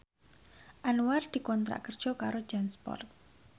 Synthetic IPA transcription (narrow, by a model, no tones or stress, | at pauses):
ʔanuward̪̥i̤kɔnt̪ɾa̰ʔkərd̥ʒ̥ɔ̤kaɾod̥ʒ̥anspɔ̰rt̪̚